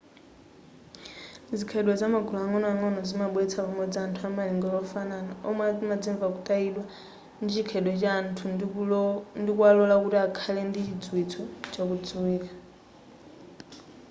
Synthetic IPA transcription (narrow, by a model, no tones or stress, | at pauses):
d͡zikʰɛɗwɛzamaɡulɔaŋɔnɔaŋɔnɔzimaɓwɛt͡sʰapamwɛd͡ziantʰuamaliŋɡɔlɔfananaɔmamad͡ziɱvakutʼailwa | ndit͡ʃikʰɛɗwɛt͡ʃantʰu | ndikualɔlakutiakʰalɛndit͡ʃid͡zwit͡sʰɔt͡ʃakud͡zuwiːkḁ